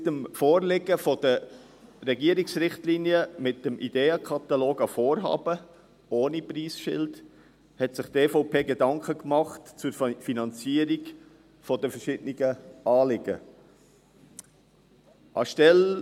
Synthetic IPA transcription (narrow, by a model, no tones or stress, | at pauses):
təmfoːɾlɪɡəfɔd̥ə | ɾɛɡiəɾɪksɾɪχtliːnjəmɪt̚dəmʔḭd̥eːəkʰɑt̪ɑloːɡɑfoːɾɦɑ̰ːb̥ə | oːnipriːsʃɪ̰lt | hɛtsɪχt̪eːfɔʊpʰeːɡedɑŋkχəkmɑχtt͡sʊɾfinɑnt͡siəɾiɡ | fɔdəfəɾʃɪdniɡ̥əʔɑːlɪɡ̥ə̰ | ʔɑ̰ʃtɛl